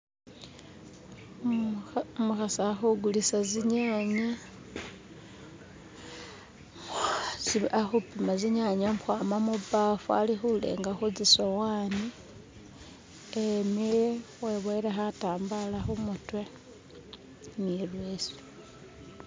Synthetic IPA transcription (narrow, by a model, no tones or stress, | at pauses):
muxasaxuɡulisaziɲaːɲa | ziaxupimaziɲaɲamxwamamuβafua̰lixulḛŋɡaxud͡zisowaːni | emijeweβoiɾexataːmbalaxumutwe | milwesi̥